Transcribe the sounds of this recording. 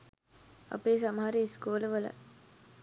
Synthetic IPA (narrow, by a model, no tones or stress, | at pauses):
a̰peːsaməɦaɾiiskoːləʋələ̰